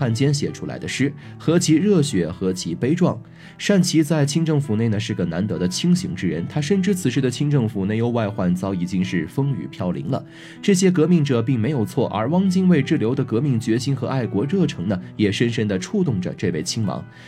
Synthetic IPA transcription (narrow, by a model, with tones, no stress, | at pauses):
a˥˩nt͡ɕjɛ˥nɕjɛ˨˩ʈ͡ʂʰu˥la̰˧˥ɪd̪ə˧ʂɻ̩˥˩ | xɤ˧˥t͡ɕʰi˧˥ɻɤ˥˩ɕɥɛ˧˥xɤ˧˥t͡ɕʰi˧˥pe˥ɪʈ͡ʂwɑ˥˩ŋ | ʂa˥˩nt͡ɕʰi˧˥t͡sa˥˧ɪt͡ɕʰi˥ŋʈ͡ʂɤ˥˩ŋfu˨˩ne˥˩nə˩ʂɻ̩˥˩ɡə˩na˧˥nt̪ɤ˧˥ɾə˧t͡ɕʰi˥ŋɕḭ˧˥ŋʈ͡ʂɻ̩˥ɻə̰˧˥nt̪ʰa˥ʂə˥˧nʈ͡ʂɻ̩˥˩t͡sʰɹ̩˨˩ʂɻ̩˥˩d̪ə˩t͡ɕʰi˥ŋʈ͡ʂɤ˥˩ŋfu˨˩ne˥˩ɪjo˧˥ʊwa˥˧ɪxwa˥˩nt͡sɑ˧˥ʊi˨˩t͡ɕi˥ŋʂɻ̩˥˩fɤ˥ŋy̰˨˩pʰjɑ˥˩ʊlḭ˧˥ŋlə̰˧ | ʈ͡ʂɤ˥˩ɕ̬jɛ˥k̬ɤ˧˥mi˥˩ŋʈ͡ʂɤ˨˩pi˥˩ŋme˧˥ɪjo˨˩ʊt͡sʰwɔ˥˩ʔə̰˞˧˥wɑ˥ŋt͡ɕi˥nwe˥˧ɪʈ͡ʂɻ̩˥˩ljo˧˥ʊd̪ə˧kɤ˧˥mi˥˩ŋt͡ɕɥɛ˧˥ɕi˥nxɤ˧˥ʔa˥˩ɪkwɔ˧˥ɻɤ˥˩ʈ͡ʂʰɤ˧˥ŋnə˧jɛ˨˩ʂə˥nʂə˥nd̪ə˨ʈ͡ʂʰu˥˧t̪̬ʊ˥˩ŋʈ͡ʂə̰˩ʈ͡ʂɤ˥˧we˥˩ɪt͡ɕʰi˥ŋmɑ̰˧˥ŋ